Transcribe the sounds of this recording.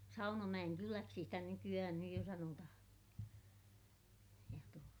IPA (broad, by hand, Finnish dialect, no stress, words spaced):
sɑunɑmæj̆enkylæksi sitæ nykyæhæn nyj jo sɑnotɑhɑ̃ː jɑ tuotɑ